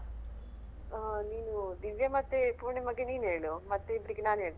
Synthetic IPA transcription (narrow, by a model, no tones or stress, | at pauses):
niːnud̪iʋjɐmɐt̪ːepuːɾɳemɐɡːeniːnɦeːɭumɐt̪ːeib̪ɾiɡenaːnɦeːɭd̪